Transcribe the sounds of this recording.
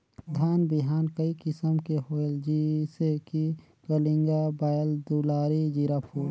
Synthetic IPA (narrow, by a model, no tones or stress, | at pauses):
d̪ʱaːnbɪɦaːnkəikɪsəmkeɦoːəld͡ʒiseki | kəlĩŋɡabaːjəld̪uːlaːɾid͡ʒiɾaːpʰuːɾ